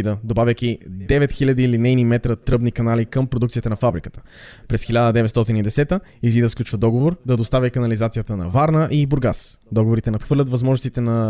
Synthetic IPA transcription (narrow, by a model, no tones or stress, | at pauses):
id̪əd̪obavʲəkid̪ɛvɛt̪xilʲəd̪iːlinɛjnimɛt̪ɾət̪ɾɤbnikɐnalikəmpɾod̪ukt̪siət̪ənɐfabɾikə̥t̪ə̥ | pɾɛsxilʲad̪əd̪ɛvɛt̪st̪ɔt̪inid̪ɛsɛt̪əizid̪əsklʲut͡ʃvəd̪ɔɡovoɾd̪ɐd̪ost̪avʲjəkɐnɐlizat̪sijət̪ənɐ̰vaɾnəʔibʊɾɡasd̪ɔɡovoɾit̪ɛnɐt̪xvɤɾlʲɐt̪vɐzmɔʒnst̪it̪ɛnɐ